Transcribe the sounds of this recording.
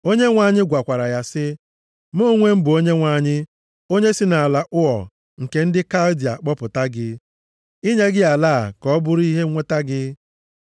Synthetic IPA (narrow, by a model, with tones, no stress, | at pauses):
o˦ɲe˦ŋʷa˨ɲɪ˦ɡʷa˨kʷa˨ɾa˨ja˦sɪ˦ | mo˦˨ŋʷe˦m̩˦bʊ˨o˦ɲe˦ŋʷa˨˦˨ɲɪ˦ | o˦ɲe˦sɪ˦na˨a˨la˨ʔʊ˦ɔ̰˨ | ŋ̩˨ke˨n̩˦dɪ˦ka˦ldi˨a̰˨k͡pɔ˦pʊ˨ta˦ɡɪ˦ | i˦ɲe˦ɡɪ˦a˨laː˦a̰˨kɔ˦bʊ˦ɾi˦ɦe˦ŋʷe˦ta˦ɡɪ˦